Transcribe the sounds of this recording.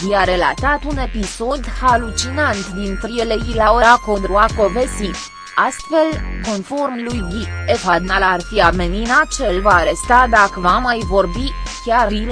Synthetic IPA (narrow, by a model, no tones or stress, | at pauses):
viaɾe̞la̰t̪at̪une̞piso̞d̪halut͡ʃinant̪d̪int̪ɾijeleilaoɾako̞nt̪ɾuako̞vesi | ast̪fe̞lko̞nfo̞rmlujɡʲiefad̪nalarfiameninat̪̚t͡ʃelvaːɾe̞st̪ad̪akəvamajvo̞rbikʲaril